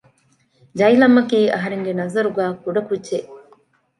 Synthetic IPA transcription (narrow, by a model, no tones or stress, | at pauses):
d͡ʒɐjlɐmɐkiːʔɐɦɐɾeŋɡenɐzɐɾuɡæːkuɖɐkudːʒeʔ